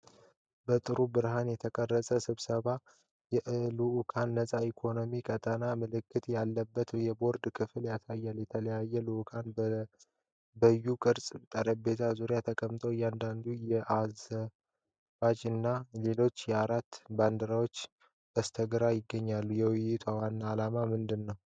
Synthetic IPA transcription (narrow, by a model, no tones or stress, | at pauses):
bət̪ʼɨɾubɨɾɦanjɛt̪ʰəkʼərːəsʼəsɨβsəβa | jɛʔluʔkʰanːəsʼaikʰo̞no̞mikʼət̪ʼənamɨlɨkːɨt̪jalːəbːət̪jɛbo̞ɾd̪kʰɨfɨljasajːaljɛt̪ʰələjajːɛluʔukʰan | bəjːukʼɨɾsʼt̪ʼəɾəbe̞t̪ʰazuɾjat̪ʰəkʼəmt̪ʰʼojand̪and̪ujɛʔazə | bad͡ʒɨnːale̞lo̞t͡ʃːjɛaɾat̪ːband̪əɾawo̞t͡ʃː | b̥əst̪ʰəɡɾajɪɡːəɲːalːujɛwɪjɪt̪ʰwawanːaːlamamɨnd̪ɨnːəw